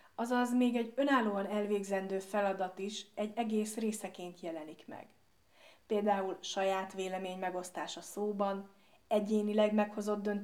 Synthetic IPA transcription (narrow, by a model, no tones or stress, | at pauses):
ɒzɒzmeːɡɛɟø̞naːlːoːɒnɛlveːɡzɛnd̪øːfɛlɒd̪ɒt̪iʃɛɟːɛɡeːsreːsɛkeːnt̪jɛlɛnikmɛ̰ɡ̥ | peːld̪aːulʃɒjaːt̪ʋeːlɛmeːɲmɛɡo̞st̪aːʃɒsoːbɒn | ɛɟeːnilɛɡmɛkho̞zo̞d̪ːø̞nt̪